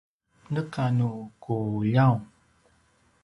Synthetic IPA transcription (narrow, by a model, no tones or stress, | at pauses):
nəkanukujaw